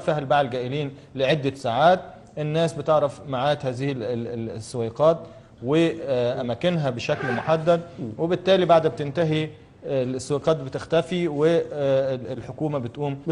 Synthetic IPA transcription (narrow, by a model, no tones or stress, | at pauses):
fæhlbaʕlɡæːʔɪliːnlɪʕed̪ːæsaːʕaːt̪̚ | ʔenːæːsbɪt̪eʕɾˤɑfmaʕaːt̪hæːzɪhisːoweqɑːt̪ | weʔæmæːkɪnɦæbeʃæklmoħad̪ːæd̪̚webɪt̪ːæːlibaʕd̪bt̪ɪnt̪æɦi | lsːowiːqɑːt̪̚bet̪ɪxt̪æfiwe | lħokuːmæbɪt̪ʔuːm